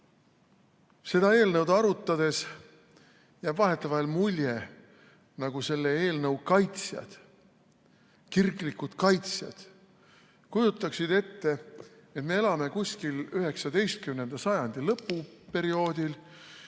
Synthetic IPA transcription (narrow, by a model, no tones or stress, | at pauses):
se̞d̪̥ɑe̞ːlnɤwd̪ɑɾut̪ːˑɑd̪̥e̞s | jæːb̥vɑɦe̞t̪ːˑɑvɑlmulʲje | nɑɡ̥use̞lːee̞ːlnɤwkɑjt̪sjɑ̰d̪̥ | kirɡlikud̪̥kɑjt̪sjɑ̰d̪̥ | kujut̪ˑːɑksid̪e̞t̪ːe̞ | et̪me̞e̞lɑme̞kusʲkilyɦe̞ksɑd̪e̞jst̪̚kymne̞nd̪ɑsɑjɑnd̪̥ilɤpːˑupe̞ɾio̞ːd̪̥il